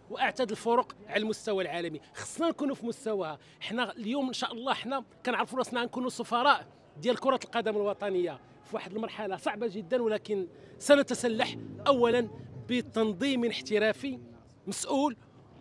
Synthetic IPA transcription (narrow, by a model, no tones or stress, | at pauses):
wʔaʕt̪æd̪əlfʊɾoqʕalælmʊst̪æwælʕalæmixɑ̥sˤːnænkunufimʊst̪æwæhæ | ʔəħnæljumənʃæʔəlˤːɑəħnækænəʕɾəfulɑsˤnaʕankunusˤofɑɾˤɑʔ | d̪jælkʊɾˤɑt̪əlqɑd̪æmalwɑt̪ˤɑnəjːa | fiwaħəd̪əlmɑɾˤħalɑsˤɑʕbaʒəd̪ːənwəlækənsænət̪æsælːaħʔæwːælənbət̪ːɑnd̪ˤimənəħt̪əɾæfi | məsʔul